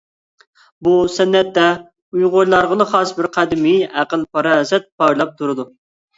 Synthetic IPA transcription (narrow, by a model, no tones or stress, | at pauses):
busɛnːɛt̪ːɛ | ujʁojlˠɑɾʁəlˠəχɑsbɪɾqʰæd̪ɪmiæqəlˠpʰɑɾɑzɛt̪̚pɑjlˠɑp̚t̪ʰuɾɨd̪u